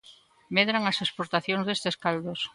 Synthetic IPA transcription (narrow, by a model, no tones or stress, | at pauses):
meðɾaŋɐsespoɾt̪aθjoŋzðest̪eskald̪os